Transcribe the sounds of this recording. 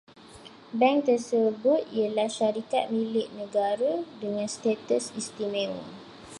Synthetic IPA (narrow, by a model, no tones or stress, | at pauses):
bɛ̃ŋt̪əsəbʊt̪̚iəlahʃaɾika̰t̪̚milɪʔnə̃ɡaɾadəŋãnst̪et̪əsist̪imɛ̃l